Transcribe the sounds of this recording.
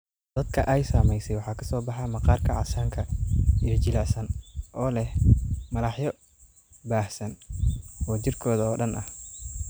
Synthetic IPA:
d̪̥ɐd̪kʰɐʔɛjsaːmɛjsɛjwɑħɑːkʰɐsɔːbɑħɑmɐqɑːrkʰɐʕɑ̰saːŋkʰɐɪɐt͡ʃɪlasɐnʔɔːlɛhmɐlɑħjɔ | baːhsɐn | ɔːt͡ʃɪrkʰɔːðɐɔːɗɐnʔɐh

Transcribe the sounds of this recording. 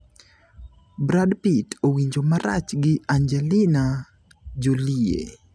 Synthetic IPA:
bɾadpitʰowiɲd͡ʒomaɾa̰t͡ʃɡɪand͡ʒɛlɪna | d͡ʒoliḛ

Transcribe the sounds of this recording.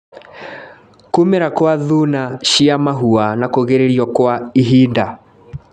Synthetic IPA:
kumeɾakwaðunaʃiamaɦuanakoɣeɾeɾiɔkwaiɦinda

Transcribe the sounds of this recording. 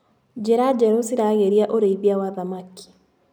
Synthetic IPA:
d͡ʒeɾad͡ʒɛɾosiɾaɣeɾiaʔoɾeiβiawaðamaki̥

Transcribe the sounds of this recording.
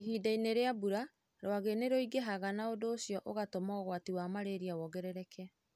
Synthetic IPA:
ɦiːdaineɾeabuɾa | ɾwaɣeneɾoiɡeɦaɣanaodoːsjɔʔoɣatomɔːɣwatiwamaɾeɾiawɔɡɛɾɛɾɛkʰɛ

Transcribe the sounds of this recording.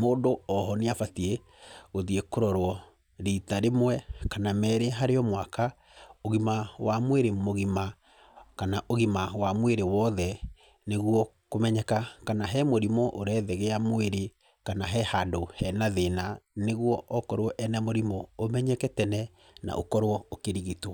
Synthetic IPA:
moːndoɔɦɔneafatie | ɣoðiekoɾɔɾwɔ | ɾitaɾemwɛkanamɛːɾeɦaɾeɔmwaka | oɣimawamweɾemoɣima | kanaʔoɣimawamweɾewɔðɛ | neɣwɔkomɛɲɛkakanaɦɛmoɾimɔʔoɾɛðɛɣeamweɾe | kanaɦɛhandohɛnaðenaneɣwɔɔkɔɾwɔʔɛnɛmoɾimɔomɛɲɛkɛtɛnɛ | na̰ʔo̰kɔɾwɔokeɾiɣitwɔ

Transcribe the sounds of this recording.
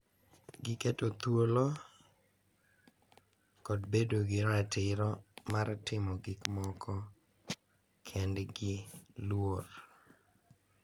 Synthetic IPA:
ɡɪketot̪wolo | kɔdbedoɡɪɾatɪɾɔmartɪmɔɡɪkmɔkʰɔ | kʰɛndɡɪlwor

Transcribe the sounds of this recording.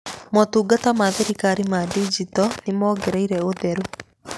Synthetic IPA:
mɔtuːɡatamaðeɾikaɾimadid͡ʒitɔnimɔɡeɾaiɾɛoðɛɾu

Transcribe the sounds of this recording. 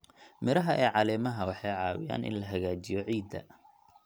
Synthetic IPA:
mɪɾɐɦɐʔɛːʕɑlɛːmɐɦɐwɑħɑjʕɑːwɪ̰ja̰ːnʔɪ̰nlɐɦɐɣaːt͡ʃɪjɔʕiːd̪ɐ̰

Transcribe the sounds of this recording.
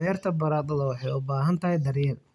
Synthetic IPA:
ɛːrt̪ʰɐbɐɾaːd̪ɐðɐwɑħɑjʊbaːɦɐnt̪ʰɐɦɛjd̪ɐɾjɛːn

